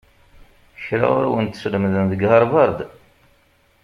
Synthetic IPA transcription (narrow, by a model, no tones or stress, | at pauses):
çɾa̰ʊ̰ɾwənt̪sləmðənðəɡhɑɾˤvɑɾˤd̪